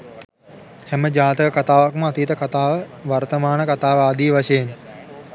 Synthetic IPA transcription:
hɛməd͡ʒaːt̪əjəkat̪aːʋakməat̪iːt̪əkat̪aːʋəʋart̪əmaːnəkat̪aːʋəaːd̪iːʋaʃəjen

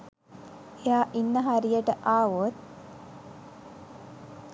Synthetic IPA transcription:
ejaːʔinːəɦaɾijəʈəʔaːʋot̪̚

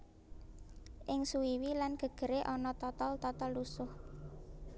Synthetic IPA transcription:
ʔɪŋsuwiwilanɡ̥ə̤ɡ̥ə̤ɾeʔɔnɔt̪ɔt̪ɔlt̪ɔt̪ɔlːusʊh

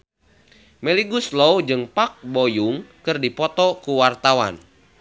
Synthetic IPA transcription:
mɛliɡuslowd͡ʒɨŋpak̚bojuŋkɨrdipɔt̪ɔkuwart̪awa̰n

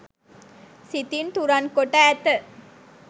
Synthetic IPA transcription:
sit̪int̪uɾɐnkoʈːat̪ːə

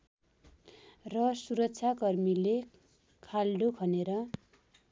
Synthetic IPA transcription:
rʌsuɾʌk̚t͡sʰakʌrmile | kʰalɖokʰʌneɾʌ

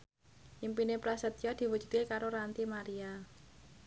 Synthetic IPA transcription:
ʔimpinepɾasat̪̚jad̪̥i̤wudd͡ʒ̥ṳ̥d̪̚kekaɾoɾant̪imaɾia

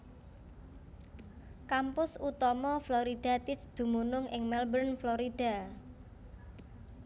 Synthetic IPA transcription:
kampʊsut̪ɔmɔflɔɾid̥a̤t̪ɪsd̪̥ṳmunʊŋʔɪŋmɛlbərnflɔɾid̥a̤

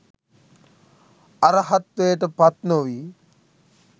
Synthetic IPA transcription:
ɐɾɐɦɐt̪ːejːʈɐpɐt̪noʋiː

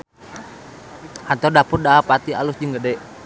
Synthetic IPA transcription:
hant̪ɔdapʊr̚daapat̪ialusd͡ʒəŋɡədɛʔ

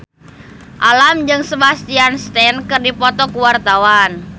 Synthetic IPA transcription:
ʔalamd͡ʒɨŋsəbast̪ianst̪ɛnkɨrdipɔt̪ɔkuwart̪awan

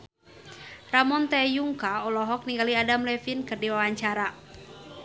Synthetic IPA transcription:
ramɔnt̪ɛjuŋkaɔlɔɦɔk̚niŋɡaliadamlɛfinkɨrdiwawaɲt͡ʃaɾa

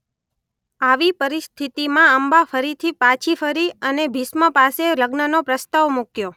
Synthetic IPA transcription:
aʋipəɾist̪ʰit̪imãəmbafəɾit̪ʰipat͡ʃʰifəɾiənebʱisməpaseləɡnənopɾəst̪aʋmukjo

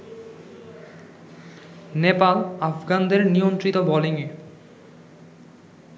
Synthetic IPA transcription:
nepalafʰɡand̪eɾnijont̪ɾit̪obɔliŋi

